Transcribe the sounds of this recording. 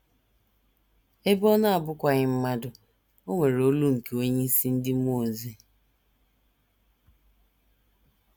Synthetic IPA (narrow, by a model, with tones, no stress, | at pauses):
e˦bɔ˦na˦a˨bʊ˦kʷa˨ɣɪ˦m̩˦ma˦dʊ˨ | o˦ŋʷe˨ɾo˦lu˦ŋ̩˨ke˨o˦ɲe˦si˦n̩˦dɪ˦m˦o˦˨ze˦